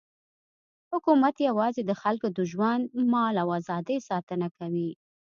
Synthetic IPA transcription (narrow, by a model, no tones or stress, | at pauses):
hʊkumat̪jawɑzed̪əxalkod̪əʒwand̪mɑlawazɑd̪əjsɑt̪ənakawi